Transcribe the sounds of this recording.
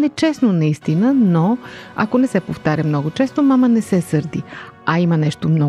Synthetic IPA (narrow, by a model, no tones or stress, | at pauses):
nɛt͡ʃɛsnonɐist̪inənoɐ̰konɛsɛpoft̪aɾʲəmnɔɡot͡ʃɛst̪omamənɛsɛsɤɾd̪iaimənɛʃt̪omnɔ